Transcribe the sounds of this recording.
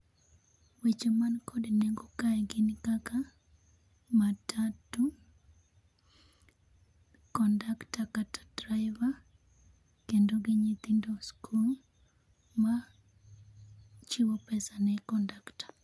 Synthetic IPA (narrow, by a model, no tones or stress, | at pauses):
wet͡ʃomankʰɔdnɛŋɡokaɛɡɪnikaka | matʰatu | kɔndaktakatḁdraɪva | kendoɡɪɲit̪indoskʰul | ma | t͡ʃiwopɛsanɛkɔndaktḁ